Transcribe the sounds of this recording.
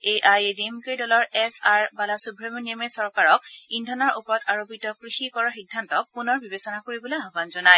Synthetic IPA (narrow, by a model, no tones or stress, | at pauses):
eʔajedemkejdɔlɔɹɛsaɹbalasubʱɹemnimesɔɹkaɹɔkindʱɔnɔɹʔupɔɹɔtaɹopitɔkɹixikɔɹɔxidʱːantɔk̚punɔɹbibesɔnakoɹibɔleaɦbanzɔnaj